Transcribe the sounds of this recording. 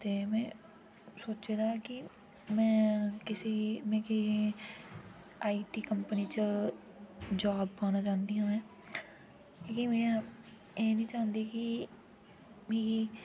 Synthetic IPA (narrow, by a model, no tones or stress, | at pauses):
t̪eːmɛ̃ː | soːt͡ʃeːd̪aːkɪ | mɛ̃ːkɪseːmɛ̃ːkɪ | aːiːʈiːkəmpəniːt͡ʃə | d͡ʒaːbːaːnaːd͡ʒãːnd̪iːɦãːmɛ̃ː | keːkimɛ̃ː | eːnĩːt͡ʃãːnd̪iːkɪ | mẽːɡiː